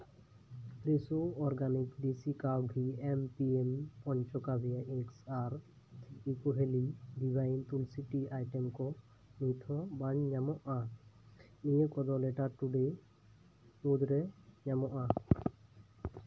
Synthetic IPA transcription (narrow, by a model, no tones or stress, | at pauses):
pɾisoɔɾɡanikd̪isikawɡʱiɛmpiempɔɲt͡ʃɔkabɛjaʔeksaɾʰ | ikuɦeliɖibʱajint̪ulsiʈiajʈɛmkɔ | mit̪ʰɔbaɲɲamɔʔa | ijekɔd̪ɔlɛʈaʈuɖe | t̪od̪ɾɛɲamɔʔa